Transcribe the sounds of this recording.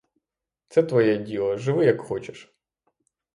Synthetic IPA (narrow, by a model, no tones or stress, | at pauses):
t̪sɛt̪ʋɔjɛdʲilˠɔʒɪʋɪjɐkxɔt͡ʃɪ̥ʃ